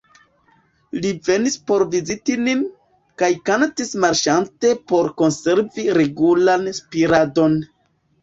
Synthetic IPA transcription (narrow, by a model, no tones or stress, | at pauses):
live̞nispo̞ɾvizitinin | kajkantismaɾʃante̞po̞ɾko̞nse̞ɾviɾe̞ɡulanspiɾado̞n